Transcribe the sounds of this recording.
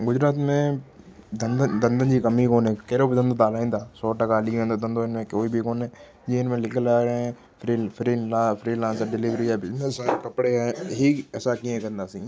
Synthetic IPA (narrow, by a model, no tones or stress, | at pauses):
ɡʊd͡ʒɾaːt̪mẽː | d̪ənd̪əd̪ə̃nd̪ənd͡ʒiːkəmiːkoːnẽːkeːɾoːbɪd̪ə̃nd̪t̪aːlaẽːnd̪aːsɔːʈəkaːliːẽːd̪aːd̪ə̃nd̪õːɪnmẽːkoːiːbʱikoːnẽː | d͡ʒiːɪnmẽːlɪkʰəlaːɾeɛ̃ | pʰɾipʰɾiːlapʰɾiːlãːnsɖɪlɪʋɾiːɛːbiesakəpɽeːɛːɦiːɛsaːkiẽːkəɾnd̪aːsĩː